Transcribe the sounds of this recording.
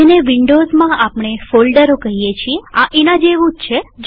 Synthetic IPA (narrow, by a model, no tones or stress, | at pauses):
eneʋiɳɖozmãapɽ̃efolɖəɾokəɦijet͡ʃʰieaʔenad͡ʒeʋũd͡ʒt͡ʃʰed͡ʒ